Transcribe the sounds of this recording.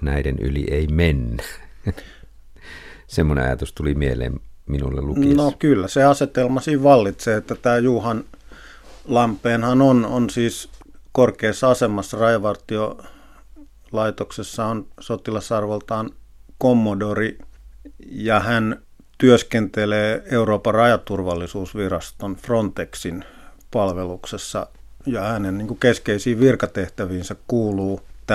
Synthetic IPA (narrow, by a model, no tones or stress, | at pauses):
næideny̰lḭeimenːæ | semːonḛɑ̰jɑt̪ust̪ulimielḛːmminulːḛlukinokylːæseɑset̪elmɑsiːʋʋɑlːit̪seːet̪ːæt̪æːjuːhɑn | lɑmpːˑeːnhɑnononsiːskorkeːsːɑɑsemɑsːɑrɑjɑʋɑrt̪io | lɑit̪oksesːɑonsot̪ilɑsɑrʋelt̪ɑːnkomːodori | jɑhæn | t̪yøskent̪eleːeuroːpɑrɑjɑt̪urʋɑlːisuːsʋirɑst̪onfront̪eksin | pɑlʋeluksesːɑ̰ | jɑhænenniːŋkukeskeisiːʋʋirkɑt̪eht̪æʋiːnsækkuːluːt̪ː